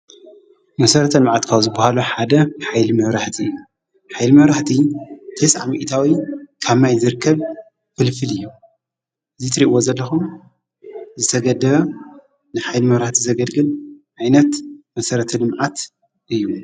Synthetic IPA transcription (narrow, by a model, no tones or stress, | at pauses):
mɐsɐɾɐt̪ʰɐlɨmʕat̪kʰawzɨbːahaluħad̪ɐħajlimɐβɾaħt̪ʰi | ħajlimɐβɾaħt̪ʰit̪ʰesʕa̰mḭʔt̪ʰawikʰaβmajzɨɾɨkʰːɐβ | fɨlfɨlɨjːu | ɨzit̪ʰɨɾiʔwozɐlːɐxum | zɨt̪ʰɐɡɐd̪ɐβɐ | nɨħajlimɐβɾaħt̪ʰizɐɡɐlɡɨlʕajnɐt̪mɐsɐɾɐt̪ʰɐlɨmʕat̪ | ʔɨjːu